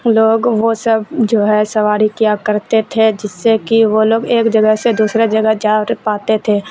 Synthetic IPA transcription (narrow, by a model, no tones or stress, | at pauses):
loːɡʋosəbd͡ʒoːɦɛsɐʋaːɾikijakəɾt̪et̪ʰed͡ʒɪsːekiʋoloːɡeːkd͡ʒəɡəɦsed̪uːsɾed͡ʒɐɡəɦd͡ʒaːɾpaːt̪et̪ʰeː